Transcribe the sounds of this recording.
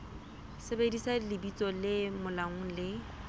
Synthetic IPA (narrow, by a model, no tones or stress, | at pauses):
sebedisalɪbit͡sʼɔlɪmʊlaŋ̩lɪ